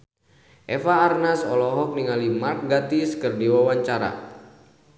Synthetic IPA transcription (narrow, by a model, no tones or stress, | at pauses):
ʔɛfaːrnasɔlɔɦɔk̚niŋalimark̚ɡat̪iskərdiwawaɲt͡ʃaɾa̰